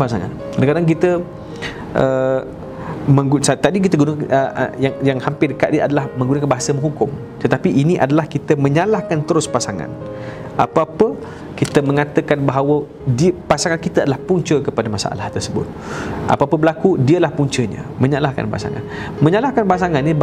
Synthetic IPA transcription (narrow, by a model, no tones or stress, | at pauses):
pasaŋa̰n | kadaŋkadaŋk̬it̪ə | ʔə | mə̃ŋɡusat̪adik̬it̪əɡunaə̰jaŋjaŋhampɪdəkat̪̚diəʔadalahmə̃ŋɡunakanbaɦasəməŋɦukʊm | t̪ət̪apiʔiniʔadalahkit̪əmə̃ɲalahkant̪əɾʊspasaŋa̰n | ʔapaapə | kit̪əmə̃ŋat̪əkanbaɦawə | dipasaŋankit̪aadalahpuɲt͡ʃəkəpadamasa̰ʔa̰laht̪ərsəbʊ̰t̪̚ʔa̰paapəbəlakudiəlahpuɲt͡ʃəɲə̰mə̃ɲalahka̰npa̰sa̰ŋa̰nmə̃ɲalahkanbaasaŋanːi